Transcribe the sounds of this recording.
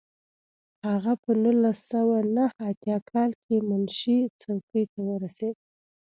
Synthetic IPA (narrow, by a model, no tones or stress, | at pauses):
haɣapənulasawanahat̪jɑkʰɑlkʰemanʃit͡sawkəjt̪awəɾased̪